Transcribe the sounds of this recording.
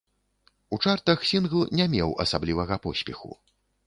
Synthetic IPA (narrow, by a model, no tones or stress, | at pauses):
ut͡ʂart̪ɐxsʲinɣlˠnʲɛmʲɛwɐ̰sablʲivɐɣɐpɔsʲpʲɛxṵ